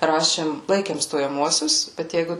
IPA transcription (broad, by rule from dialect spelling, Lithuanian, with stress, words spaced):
ˈrɑːʃʲeːm ˈlˠɐɪkʲeːm stoːjɛˈmuɔsʲʊs bʲɛt ˈjɛɪɡʊ